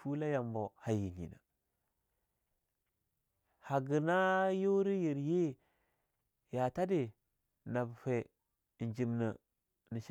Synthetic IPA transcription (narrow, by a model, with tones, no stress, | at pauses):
fu˦la˦ja˨mbo˨ha˨ji˨ɲḭ˨na̰˨ | ha˨ɡi˨na˦jo˦ɾi˦ji˨ɾje˦ | ja˨ta˦de˨ | na˨bfe˨ | nd͡ʒi˨mnə˨ | ni˨ʃ